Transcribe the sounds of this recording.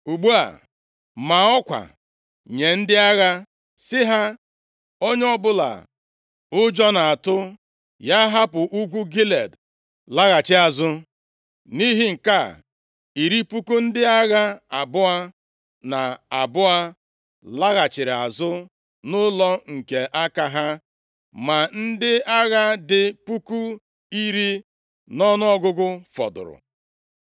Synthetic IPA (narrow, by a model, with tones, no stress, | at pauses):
u˨ɡ͡bu˦a̰˨ | ma˨ɔ˦kʷa̰˨ | ɲe˨n̩˦dɪ˦a˦ɣa˦ | sɪ˦ɦa˦ | o˦ɲ˦ɔ˦bʊ˦la̰˨ | ʊ˦d͡ʒɔ˦na˨a˨tʊ˦ | ja˦ɦa˦pʊ˨ʔu˦kʷu˦ɡi˦le˨d | la˦ɣa˨t͡ʃɪ˦a˨zʊ˦ | ni˦ɦi˦ŋ̩˨ka˦˨ | i˨ɾi˦pu˦ku˦n̩˦dɪ˦a˦ɣa˦a˨bʊ˦a˦ | na˨a˨bʊ˦a˦ | la˦ɣa˨t͡ʃɪ˨ɾɪ˨a˨zʊ˦ | nʊ˦lɔ˦ŋ̩˨ke˨ʔa˦ka˦ɦa˦ | ma˨n̩˦dɪ˦a˦ɣa˦dɪ˨pu˦ku˦ | i˦ɾi˦ | nɔ˦nʊ˦ɔ˦ɡʊ˦ɡʊ˦fɔ̰˨dʊ̰˨ɾʊ̰˨